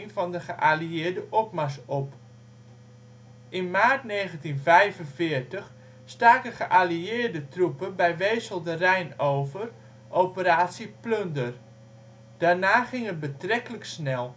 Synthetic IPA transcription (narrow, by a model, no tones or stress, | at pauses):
ŋvɔndəχəʔaliɪːdəʔɔp̚masɔp | ʔɪnmaːrtneːɣəntinvɛjvənvɪːrtəx | staːkəχəʔaliɪːrdətrupənbɛjʋeːsəlˠdərɛjnoːvər | ʔowpəɾaːtsipløndər | d̥aːrnaːχɪŋət̚bətrɛkələksnɛlˠ